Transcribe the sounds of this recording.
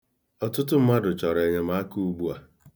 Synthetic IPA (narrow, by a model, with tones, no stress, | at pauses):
ɔ˨tʊ˦tʊ˦m̩˦ma˦dʊ˨t͡ʃɔ˨ɾe˨ɲe˨m̩a˨˦a˦ku˦u˦ɡ͡bu˦a˨